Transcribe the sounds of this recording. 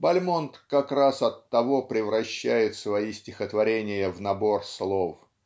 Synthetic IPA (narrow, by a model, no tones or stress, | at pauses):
bɐlʲmont̪kɐkrasɐt̪ːɐvo̞pɾʲɪvɾɐɕːæjɪt̪svɐisʲtʲɪxət̪vɐɾʲenʲɪjəvnɐborslˠof